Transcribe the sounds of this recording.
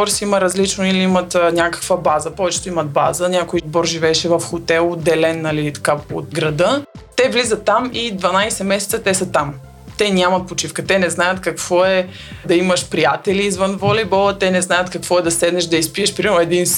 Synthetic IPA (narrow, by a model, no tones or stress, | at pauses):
ɔɾsiiməɾɐzlit͡ʃnoiliimət̪nʲakə̥kvəbazəpɔvɛt͡ʃɛ̥t̪ʊimɐt̪̚ba̰zənʲakojibɔɾʒivɛɛʃɛvɐfxot̪ɛlˠod̪ɛlɛnːɐlit̪ɐ̥kao̰t̪ɡɾɐd̪ɤt̪ɛvlizət̪ːamid̪vɐnajsɛmɛsɛ̥t̪sət̪ɛsɐt̪am | t̪ɛnʲamɐt̪̚pot͡ʃifkət̪ɛnɛznajət̪kɐkv̥ɔɛ | d̪ɐiməʃpɾijat̪ɛliːzvənvolʲibɔlˠət̪ɛnɛznajət̪kɐkvɔɛd̪ɐsɛd̪nɛʃd̪ɐispiɛʃpɾimɛɾmoɛd̪in